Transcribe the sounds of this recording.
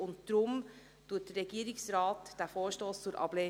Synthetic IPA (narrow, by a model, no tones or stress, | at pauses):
ʊntd̥ɾʊm | tuːt̚d̥əɾɛɡ̥iəɾɪksɾɑːtd̥æfoːɾʃtoːst͡sʊɾʔɑ̰b̥leː